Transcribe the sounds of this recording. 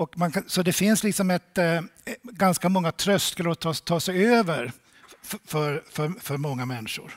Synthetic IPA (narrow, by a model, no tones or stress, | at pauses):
ɔkmankʰasɔd̪ɛfɪnslɪksɔmɛt̪ | ɡanskamɔŋːat̪ʰɾœst̪kəlɔt̪ʰɑt̪ʰɑːsɛjøːvəɾ | fœɾfœɾfœɾmɔŋːamɛnːɪʂʊ̰ɾ